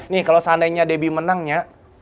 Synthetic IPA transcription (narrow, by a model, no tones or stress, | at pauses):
nɪhkalosandajɲadebimənaŋɲa